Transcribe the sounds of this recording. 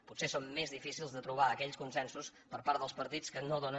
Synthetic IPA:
putsesomːezðifisilˠzðət̪ɾuβ̞aəkɛʎskunsɛnsuspəɾpaɾəlˠspəɾt̪it͡skənoðonə

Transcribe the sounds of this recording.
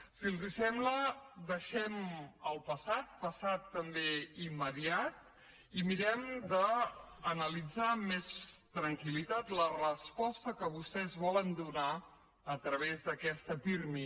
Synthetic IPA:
silˠzisɛmbləd̪ðəʃɛməlˠpəsat̪̚pəsat̪ːəmbeimːəðiat̪̚ | imiɾɛmd̪əː | nəlid͡zamest̪ɾəŋkilit̪at̪lərəspɔst̪əkəβust̪ɛzβɔlənd̪una | ət̪ɾəβ̞ezðəkɛst̪əpiɾmi

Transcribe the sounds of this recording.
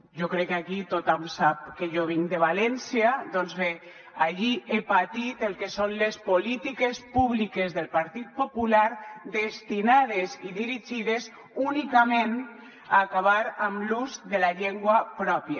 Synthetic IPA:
ʒokɾɛkːakit̪ot̪amsap̚keʒoβ̞iŋd̪eβ̞alɛnsiad̪ɔnzβe | aʎiʔepat̪it̪elˠkesonlespolit̪ikespuβlikezðelpaɾt̪it̪̚populaɾd̪est̪inað̞eziðiɾiʒiðez | unikamẽn | aːkaβaɾamluzðelaʎeŋɡwapɾɔpja

